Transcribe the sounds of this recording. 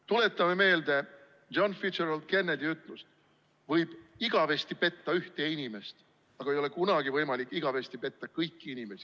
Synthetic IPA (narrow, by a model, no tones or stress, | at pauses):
t̪ule̞t̪ˑːɑme̞me̞ːld̪e̞̥ | ʒ̥ɑnfid͡ʒenɑld̪̥ke̞nːed̪iyt̪ːˑlust̪ | vɤjb̥iɡ̥ɑve̞st̪ipe̞t̪ːɑyht̪e̞inime̞st̪ | ɑɡ̥ɑe̞jo̞le̞kunɑɡ̥ivɤjmɑlikːˑiɡ̥ɑve̞st̪ipe̞t̪ːɑkɤjkːiinime̞si̥